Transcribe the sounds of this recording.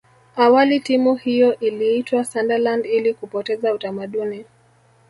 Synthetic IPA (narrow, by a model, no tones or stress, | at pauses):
awalitimuhijɔʔiliitwasandalandilikupɔtɛzautamaɗuni